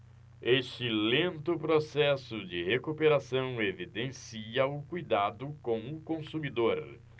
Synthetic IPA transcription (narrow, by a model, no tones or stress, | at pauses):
eʃt͡ʃɪlẽnt̪ʊpɾosɛsʊd͡ʒɪhekupeɾasɐ̃w̃evid̪ẽsiɐʊkujd̪ad̪ʊkõw̃ʊkõsumid̪oɾ